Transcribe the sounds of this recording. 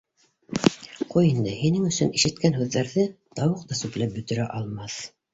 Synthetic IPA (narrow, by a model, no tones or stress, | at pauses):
qujind̪ɤhinɘŋɵ̆sɵniʃɘ̆t̪̚kænɦʉðːæɾðɘt̪ɑwɤqt̪ɑsʉplæp̚bɵ̆t̪ɵ̆ɾæʔɑlˠmɑθ